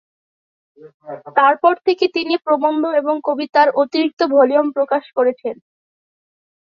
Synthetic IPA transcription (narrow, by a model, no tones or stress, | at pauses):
t̪aɾpɔɾt̪ʰeket̪inipɾobond̪ʱoeboŋkobit̪aɾʔot̪iɾik̚t̪obʱoliompɾokaʃkoɾet͡ɕʰen